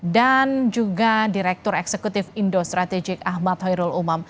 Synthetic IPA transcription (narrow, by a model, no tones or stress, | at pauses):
dand͡ʒuɡadiɾɛk̚t̪ʊɾɛksekut̪ɪfindost̪ɾat̪ɛd͡ʒɪkahmat̪hɔjɾʊlumam